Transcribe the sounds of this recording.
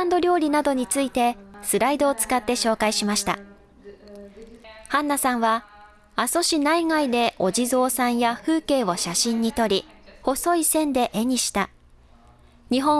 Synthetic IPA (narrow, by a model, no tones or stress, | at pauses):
nd̪o̞ɾʲo̞ːɾʲinad̪o̞ɲ̟it͡sɨit̪e̞sɨɾaid̪o̞ːt͡sɨ̥kat̪ːe̞ɕo̞ːkaiɕimaɕi̥t̪a̰ | hãnːasãɰ̃βa | aso̞ɕinaiŋaid̪e̞ʔo̞ʑizo̞ːsãɰ̃jaɸɯ̟ːke̞ːβo̞ɕaɕĩɲ̟ːit̪o̞ɾʲiho̞so̞isẽ̞nd̪e̞ʔe̞ɲ̟iɕi̥t̪a | ɲ̟iɦõ̞